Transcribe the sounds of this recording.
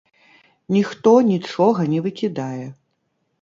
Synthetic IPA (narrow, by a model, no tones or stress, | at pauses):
nʲixt̪ɔnʲit͡ʂɔɣɐnʲɛvɨkʲid̪ajɛ